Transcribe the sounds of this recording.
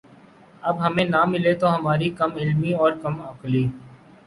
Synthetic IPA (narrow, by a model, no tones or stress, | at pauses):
ɐbɦɐmẽnamɪlet̪oɦɐmaːɾikɐmɪlmiɔːɾkɐmɐkliː